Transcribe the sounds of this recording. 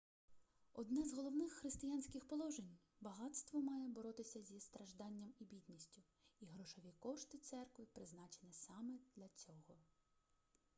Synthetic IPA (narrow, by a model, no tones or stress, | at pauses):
ɔd̪nɛzɦɔlˠɔwnɪxːɾɪst̪ɪjanʲsʲkʲɪxpɔlˠɔʒenʲ | bɐɦɑt̪st̪ʋɔmɑjɛbɔɾɔt̪ɪsʲɐzʲist̪ɾɐʒd̪ɑnʲːɐmibʲit̪ʲnʲisʲtʲʊ | iɦɾɔʃɔʋʲikɔʃt̪ɪt̪sɛrkʋɪpɾɪznɑt͡ʃenʲɪsɑmɛd̪lʲɐt͡sʲɔɦɔ